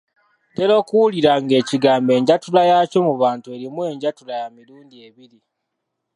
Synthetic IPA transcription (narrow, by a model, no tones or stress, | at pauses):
te̞ɾo̞ːkuwuliɾaŋɡe̞ːciɡaːmbe̞ːɲɟatulajaːco̞muβaːntue̞ɾimwe̞ːɲɟatulajamiluːndie̞βiɾi